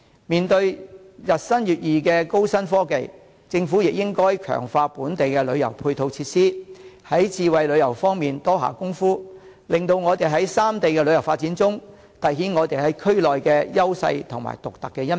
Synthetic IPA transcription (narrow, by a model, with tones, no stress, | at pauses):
miː˨nt̪ɵ˧ɥ | jɐ˨t̚sɐ˥njyː˨t̚jiː˨˩kɛː˧ko˥wsɐ˥nfɔː˥ke˨j | t͡sɪ˧ŋfuː˨˥jɪ˨k̚jɪ˥ŋkɔː˥jkʰœ̰ː˨˩ŋfaː˧puː˨˥nt̪e˨jkɛː˧lɵ˨˧ɥjɐ˨˩wpʰuː˧jt̪ʰo˧wt͡sʰiː˧t̚siː˥hɐ˨˥jt͡siː˧wɐ˨jlɵ˨˧ɥjɐ˨˩wfɔː˥ŋmiː˨nt̪ɔː˥ɦa̰ː˨˩kʊ˥ŋfuː˥ | lɪ˨ŋt̪o˧wŋɔː˨˧t̪e˨jɦɐ˨˥jsaː˥mt̪e˨jkɛː˧lɵ˨˧ɥjɐ˨˩wfaː˧t̚t͡siː˨˥nt͡sʊ˥ŋ | t̪ɐ˨jɦiː˨˥nŋɔː˨˧t̪e˨˩jhɐ˨˥jkʰɵ˥ɥlɔː˨jkɛː˧jɐ˥wsɐ̰˧jt̪ʰʊ˨˩ŋma̰ː˨˩jt̪ʊ˨k̚t̪ɐ˨kːɛː˧jɐ˥n